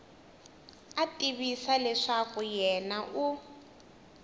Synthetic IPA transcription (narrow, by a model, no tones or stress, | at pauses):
atʼiβisalɛʂakujɛnaʔu